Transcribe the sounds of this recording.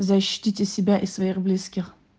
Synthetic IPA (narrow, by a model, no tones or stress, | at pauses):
zɐɕːi̥tʲitʲɪsʲɪbʲaʔɪsvɐiɣblʲiskʲɪx